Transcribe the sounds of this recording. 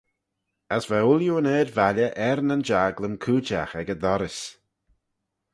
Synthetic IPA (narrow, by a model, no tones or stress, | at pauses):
əsvɛʊljuəneːdvalʲəʔɛɾnənd͡ʒaːɡləmkʰuːd͡ʒaxɛɡəd̪ɔɾɪs